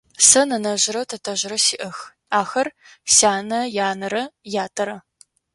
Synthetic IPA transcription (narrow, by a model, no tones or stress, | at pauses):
sɐnɐnɐʒɪɾɐtʰɐtʰɐʑɪɾɐsiːʔɐx | aːxɐr | saːnɐjaːnɐɾɐjaːtʰʼɐɾɐ